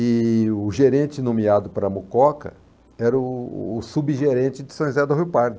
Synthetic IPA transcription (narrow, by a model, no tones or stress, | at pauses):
ɪʊʒeɾẽnt͡ʃɪnõmiad̪ʊpaɾɐmukɔkɐ̰ | ɛɾɐʊːsubiʒeɾẽt͡ʃɪd͡ʒɪ̥sɐ̃j̃zɛd̪oɦiwpaɾd̪ʊ